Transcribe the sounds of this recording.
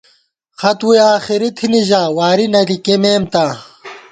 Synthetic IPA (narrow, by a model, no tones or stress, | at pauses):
xɐt̪ujaːxiɾit̪ʰiniʑaːwaːɾinɐlikemeːmt̪a